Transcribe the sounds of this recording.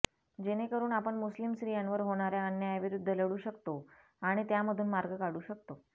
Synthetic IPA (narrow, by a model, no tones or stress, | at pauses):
d͡ʑeñekəɾuːɳapəɳmuslimsɾijãnʋəɾɦoɽ̃aɾjaənjajʋiɾud̪ʱːələɽuːɕəkt̪o | aɽ̃it̪jaməd̪ʱuːnmaɾɡʱəkaɽuːɕək̚t̪o